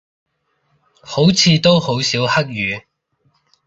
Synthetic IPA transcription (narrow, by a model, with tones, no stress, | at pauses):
ho˨˥wt͡sʰiː˨˧t̪o˥who˨˥wsiː˨˥whɐ˥k̚jyː˨˧